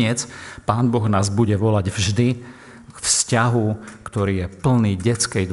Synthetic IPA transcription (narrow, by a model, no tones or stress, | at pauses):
ɪɛt͡spaːnbɔɣnaːzbuɟɛʋɔlaɟvʒd̪i | kfscaɦukt̪ɔɾiːjɛpl̩niːɟɛt͡skɛjd̪